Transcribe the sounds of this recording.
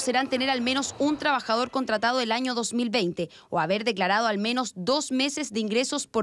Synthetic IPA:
seɾant̪eneɾalme̞no̞sunt̪ɾaβaxaðo̞ɾko̞nt̪ɾat̪að̞oelaɲoðo̞smilβejnt̪e | oaβeɾðe̞klaɾað̞oalme̞no̞sd̪o̞sme̞sezd̪eiŋɡɾesospo

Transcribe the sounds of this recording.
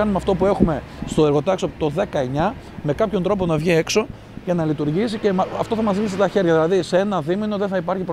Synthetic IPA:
ɐnumeɐft̪o̞pue̞xume̞ | st̪o̞e̞ɾɣo̞t̪ɐksopt̪o̞ðe̞kɐe̞ɲɐ | me̞kɐpçont̪ɾo̞p̬o̞nɐvʝie̞kso̞ | ʝɐnɐlit̪uɾʝis̬ice̞mɐft̪o̞θɐmɐzðiniset̪ɐçe̞ɾʝɐðilɐðisee̞nɐðimino̞ðeθɐipɐɾçipɾ

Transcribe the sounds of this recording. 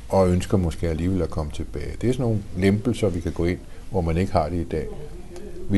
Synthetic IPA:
ɒ̽ønsɡ̥ɐmɒ̽sɡ̥e̝̰ːæliːʋelækʰɒ̽mət͡sʰe̝b̥ɛːɪd̥e̝æɐsɒno̝ːn̩lemb̥l̩sɐʋikʰæɡ̥ɔ̰e̝n̰ | ʋɒmæne̝ɡ̥əhɑ̈d̥e̝id̥ɛ̰ː | ʋi

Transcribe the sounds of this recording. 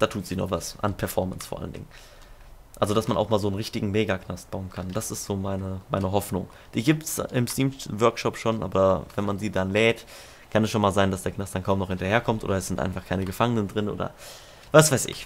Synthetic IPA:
d̥aːtʰuːtz̥iːnɔ̰χv̥asʔa̰npʰɛɐfɔɐmənsfoːɐʔa̰ləndɪ̰ŋən | ʔa̰lzodasmanʔaʊxmaːlzoːnʁɪçtɪɡŋ̩meːɡakʰnast̚b̥aʊənkʰand̥asɪstz̥oːmaɪnəmaɪnəɦɔfnʊŋ | d̥iːɡiːptsɪmstiːmvœɐkʃɔpʃoːnʔa̰ːbɐavɛnmanziːdanlɛːt | kʰanɛsʃoːnmaːlzaɪndasd̥eːɐknastd̥ankʰaʊmnɔχhɪntɐheːɐkʰɔmtʔo̰ːdɐɛsz̥ɪntʔa̰ɪnfaχkʰaɪnəɡəfaŋənəndʁɪnʔo̰ːdɐ̰ | vasv̥aɪsɪ̰ç

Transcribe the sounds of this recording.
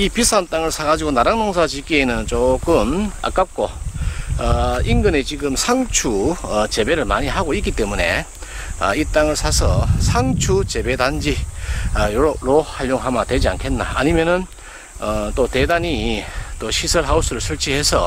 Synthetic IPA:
ipisʰant͈aŋɯɭsʰaɡad͡ʑiɡonaɾaŋnoŋs̬ʰad͡ʑiɡienɯnt͡ɕok͈ɯma̰k͈ap̚k͈o | ʌiŋɡɯne̞t͡ɕiɡɯmsʰaŋt͡ɕʰuʌt͡ɕe̞be̞ɾɯɭmaɲiɦaɡoik͈it͈e̞mune̞̰ | ʌ̰it͈aŋɯɭsʰasʰʌsʰaŋt͡ɕʰut͡ɕe̞be̞dand͡ʑi | ɾohaʎːjoŋɦamatwe̞d͡ʑia̰nkʰe̞nːa̰aɲimjʌnɯn | ʌt͈ote̞daɲit͈oɕʰisʰʌɭɦaus͈ʰɯɾɯɭsʰɯɭt͡ɕʰihe̞sʰʌ̰

